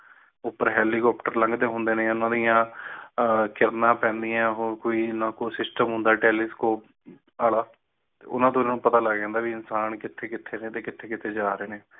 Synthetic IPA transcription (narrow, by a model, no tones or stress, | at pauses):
ʊpːəɾɦɛːliːkɔːpʈəɾlə̃ŋɡd̪eːɦʊnd̪eːneːʊnãːd̪ijãː | kɪɾnãːpɛ̃ːnd̪ijãːɦoːkoːiːnãːkoːsɪsʈəmɦʊ̃nd̪aːʈɛːlɪskoːp̚ | aːlaː | t̪eʊ̰nãːt̪̬õːɪnãːnũːpət̪aːləɡd͡ʒɛ̃ːnd̪aːʋiːɪnsaːnkɪt̪ʰːeːkɪt̪ʰːeːneːt̪eːkɪt̪ʰːeːkɪt̪ʰeːd͡ʒaːɾeːneː